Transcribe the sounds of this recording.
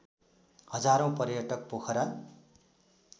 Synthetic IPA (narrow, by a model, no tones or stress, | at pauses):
hʌd͡zaɾõw̃pʌrjʌʈʌk̚pokʰʌɾa